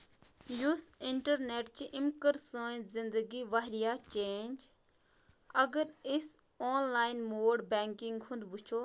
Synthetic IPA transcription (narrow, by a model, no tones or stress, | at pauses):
jusɪɳʈəɾneːʈt͡ʃiʔɪmkəɾsə̃ːzɪ̃nd̪əɡiʋaɦɾijaːt͡ʃeːnd͡ʒ | ɐɡəɾɪs | ɔːnlaːɪnmoːɖbɛːŋkɪ̃ŋɡhʊ̃nd̪but͡ʃʰoː